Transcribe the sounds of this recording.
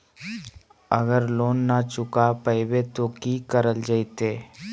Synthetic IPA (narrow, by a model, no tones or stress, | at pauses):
əɡəɾloːnːat͡ʃʊkapəɪwet̪okikəɾəld͡ʒət̪eː